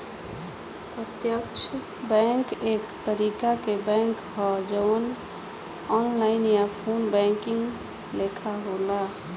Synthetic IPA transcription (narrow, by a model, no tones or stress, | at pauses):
pɾət̪jəkt͡ʃʰ | bɛŋkekt̪əɾikakebɛ̃ŋkɦɔd͡ʒəwn | ɔnlaɪnjapʰonbɛ̃ŋkiŋɡ | lekʰaɦola